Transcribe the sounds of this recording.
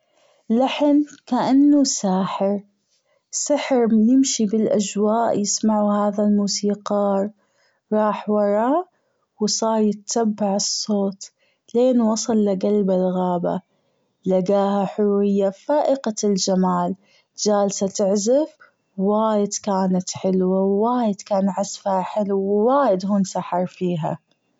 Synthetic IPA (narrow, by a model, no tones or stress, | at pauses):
laħɪnkaʔanːusaːħɪɾ | sɪħɾjɪmʃibɪlʔad͡ʒwaːʔjɪsmaʕuhaːðalmuːsiːqɑːɾˤ | ɾˤɑːħwɑɾˤɑ | wsˤɑːɾˤjɪt̪ːabːaʕɨsˤːoːt̪ | leːnwɑsˤɑlːaɡalbalɣaːba̰ | laɡaːhaħʊɾuːɾɪjːafaːʔɪqald͡ʒamaːl | d͡ʒaːlsat̪ɪʕzɪf | waːjɪd̪kaːnat̪ħɪlwawːaːjɪd̪kaːnʕasfaaħɪlwːaːjɪd̪huːnsaħɑɾˤfiːɦa̰